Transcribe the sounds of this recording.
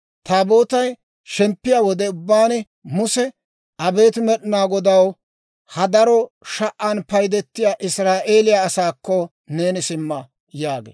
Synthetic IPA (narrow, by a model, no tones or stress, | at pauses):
t̪aːbo̞ːt̪ɐj | ʃɛmpːɪjawɔd̪ɛʊbːaːnɛ | mʊsɛ | ɐbe̞ːt̪ɪmɛɗɪnaːɡɔd̪ɐw | hɐd̪ɐɾɔʃɐʔːɐnpɐjd̪ɛt̪ːɪjaːʔɪsɾaːʔeːlɪjaːsaːkːɔ | ne̞ːnɪsɪmːɐ | jaːɡḛː